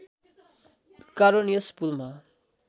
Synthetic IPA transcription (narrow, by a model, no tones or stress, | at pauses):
kaɾonijʌspulma